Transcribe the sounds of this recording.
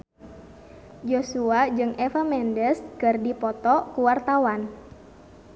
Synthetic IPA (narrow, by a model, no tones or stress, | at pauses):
d͡ʒosuad͡ʒɨŋʔɛfamɛndəskɨrdipɔt̪ɔkuwart̪awan